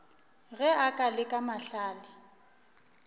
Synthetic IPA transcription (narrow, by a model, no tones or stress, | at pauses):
ɣɛakʼalɪkʼamaɬaːlɪ